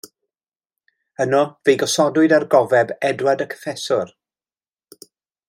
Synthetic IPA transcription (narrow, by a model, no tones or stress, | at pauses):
ənɔvejɡɔsɔdʊɨdarɡɔvɛbɛdwadəkʰə̥fɛsʊr